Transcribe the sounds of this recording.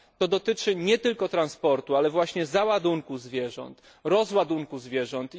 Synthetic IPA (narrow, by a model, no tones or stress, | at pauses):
t̪ɔd̪ɔt̪ɘt͡ʂɘɲɛt̪ɘlkɔt̪ɾanspɔɾt̪ualɛvwaɕɲɛzawad̪uŋkuzvʲjɛʐɔ̰nt̪ | ɾɔzwad̪uŋkuzvʲjɛʐɔnt̪